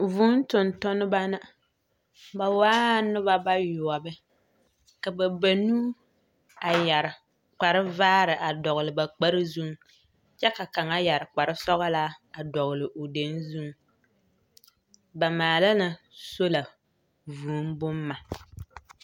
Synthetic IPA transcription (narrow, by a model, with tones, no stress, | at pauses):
vuː˦n˦tʊ˨ntʊ˦nɨ˦ba˦na˦ | ba˨waː˦nɨ˦ba˦ba˦jʊ˨ɔ˨bɨ˦ | ka˨ba˨ba˨nuː˦ | a˨ja˨ɾɪ˨ | k͡pa˨ɾɨ˦vaː˦ɾɨ˨ʔa˨dɔ˨ɣɨ˨lɨ˨ba˨k͡pa˦ɾɨ˦zu˦ŋ˦ | t͡ʃɛ˦ka˨ka˨ŋa˦ja˨ɾɪ˨k͡pa˨ɾɨ˦sɔ˦ɣa˦la˦a˨dɔ˨ɣʊ˨lɨ˨ʔo˨de˨˦nzu˦ŋ˦ | ba˨maː˨la˦na˨so˦la˨ | vuː˨˦mbʊ˦mːa˨